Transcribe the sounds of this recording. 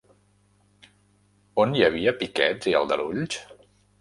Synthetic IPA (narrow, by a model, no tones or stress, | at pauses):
onjəβ̞iəpikɛz̥iə̰lˠd̪ə̰ɾuʎʲt͡ʃ